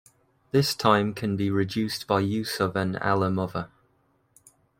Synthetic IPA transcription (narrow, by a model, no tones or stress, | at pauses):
ðɪstʰãɪ̃mkʰə̃nbiɹɪd͡ʒʉˑsb̥aɪjʉˑsəvə̃na̰ləmʊðə